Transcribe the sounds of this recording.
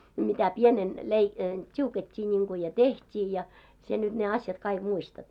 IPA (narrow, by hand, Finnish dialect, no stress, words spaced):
mitæ pienen lei tʲiuketʲːiː niŋku jɑ tehtʲiː jɑ sie nyt ne ɑsjɑt kɑiɡ̊ muistɑt